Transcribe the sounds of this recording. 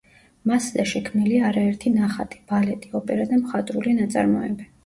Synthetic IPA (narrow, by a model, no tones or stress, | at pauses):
masd̪aʃɛkʰmniliaɾaɛɾt̪ʰinaχat̪ʼi̥b̥alɛt̪ʼiɔpʼɛɾad̪amχat̪ʼɾulinat̪sʼa̰ɾmɔɛ̰bɛ